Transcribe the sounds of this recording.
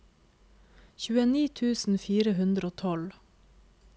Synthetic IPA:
çʉːəniːt̪ʰʉːsn̩fiːɾəhʉnd̪ɾoːt̪ʰɔl

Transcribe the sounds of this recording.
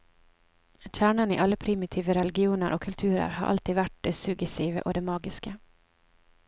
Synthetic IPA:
ɕæːɳanɪʔalːapʰɾɪmɪt̪ʰiːvəɾɛlɪɡɪuːnəɾʔɔkʰːɵlt̪ʰʉ̟ːɾə̰ɾha̰ɾʔa̰lt̪ʰiːd̪vaʈ̚d̪ɛsɵɡjɛsiːvə̰ʔɔd̪ɛmɑːɡɪska

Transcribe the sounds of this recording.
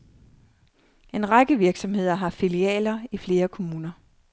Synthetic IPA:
e̝nʁaɡ̥əʋiɐɡ̥sɒ̽mhe̝ð̞̰ˠɐɦɑ̈filiɛ̰ːlɐifle̝ːɐkʰo̝muːnɐ

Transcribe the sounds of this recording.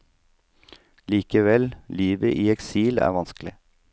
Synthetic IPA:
liːkəʋɛlliːʋəʔiːɛksiːlæ̰ːʋɑnsklɪ

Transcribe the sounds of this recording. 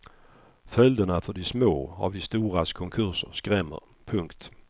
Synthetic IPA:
fœld̪ənafœdɪsmoːa̰vdɪst̪uːɾaskʰɔŋkʰɵʁsəɾskʁɛmːə̰ɾ | pʰɵŋkt̪

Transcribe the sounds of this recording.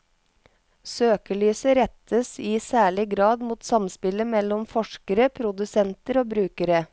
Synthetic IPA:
søːkəɭyːsəɾɛt̪ʰəsɪːsæːɭɪɡɾɑːd̪muːt̪sɑmspɪləmɛlɔmfɔʂkəɾəpʰɾʊd̪ʉsɛnt̪əɾoːbɾʉːkəɾə

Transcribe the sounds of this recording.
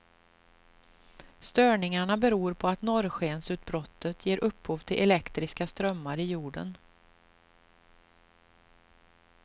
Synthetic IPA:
st̪œːɳɪŋaɳabɛɾuːɾpʰɔat̪nɔɾɧeːnsʉ̟ːt̪̚bɾɔt̪ʰːət̪jeːɾʔɵpːhuːvt̪ʰɪlʔɛlɛkt̪ɾɪskast̪ɾœmːaɾɪjuːɖə̰n

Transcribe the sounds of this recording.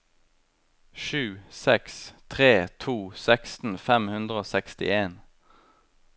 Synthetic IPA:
ʃʉːsɛkst̪ʰʁeːt̪ʰuːsækst̪n̩fɛmhʉnd̪ʁəoːsɛkst̪ɪ̰eːn

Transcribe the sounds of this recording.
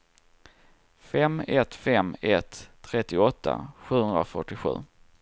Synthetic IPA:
fɛmɛt̪fɛmɛt̪ʰːɾɛt̪ːɪɔt̪ʰːa̰ɧʉ̟ːhɵnd̪ɾafœʈːɪɧʉ̟̰ː

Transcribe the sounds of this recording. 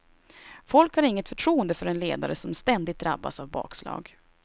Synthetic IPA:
fɔlkhaɾɪŋːət̪fœʈʰɾuːənd̪əfœɾɛnleːd̪a̰ɾəsɔmst̪ɛnd̪ɪt̪̚d̪ɾa̰bːa̰savbɑ̰ːkslɑ̰ːɡ

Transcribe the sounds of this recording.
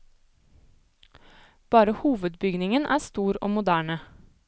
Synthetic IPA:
b̥ɑːɾəhuːʋəd̪bʏɡnɪŋənʔæ̰ːst̪uːɾo̰ːmʊd̪æːɳə

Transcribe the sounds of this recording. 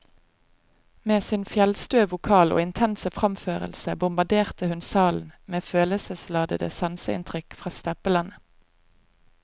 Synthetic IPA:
meːsɪnfjɛlst̪øːʋʊkʰɑːlo̰ːɪnt̪ʰɛnsəfʁɑmføːʁə̰lsəbʊmbɑd̪eːʁt̪əhʉnsɑːln̩meːføːləsəslɑːd̪ə̰d̪ə̰sɑnsəɪ̰nt̪ʰʁʏkfʁɑːst̪ɛpəlɑnə

